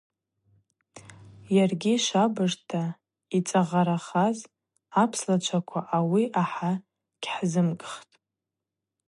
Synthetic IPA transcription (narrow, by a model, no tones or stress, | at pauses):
jarɡʲiʃabɨʐtʰa | it͡sʼaʁaɾaχaz | apʰslat͡ʃʷʰakʷʰaʔawiʔaħa | ɡ̥ʲħzɨmɡʼχtʼ